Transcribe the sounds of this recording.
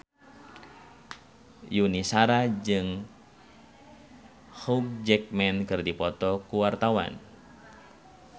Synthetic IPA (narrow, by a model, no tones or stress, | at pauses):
junisaɾad͡ʒɨŋ | huk̚d͡ʒɛk̚mɛnkɨrdipɔt̪ɔkuwart̪awa̰n